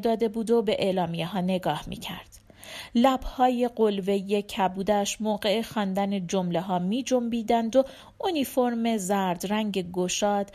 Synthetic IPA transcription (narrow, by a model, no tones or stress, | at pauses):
d̪ɒːd̪e̞buːd̪o̞be̞ʔeːlɒːmijeɦɒːne̞ɡɒːhmḭːcʰæ̰ɾd̪̥ | læb̥hɒːje̞ɢo̞lve̞jecʰæbuːd̪æʃmoːɢe̞exɒːnd̪æned͡ʒo̞mleɦɒːmiːd͡ʒo̞mbiːd̪ænd̪o̞ | unifo̞ɾme̞zæɾd̪ɾæŋɟe̞ɡoʃɒːd̪̥